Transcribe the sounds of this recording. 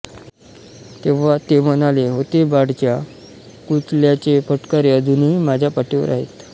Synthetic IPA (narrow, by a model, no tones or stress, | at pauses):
t̪eʋ̤at̪emənaleɦot̪ebaɽt͡ɕja | kut̪ljat͡ɕefəʈkaɾeəd̪ʱunɦimad͡ʑʱjapaʈeʋə̰ɾa̰ɦḛt̪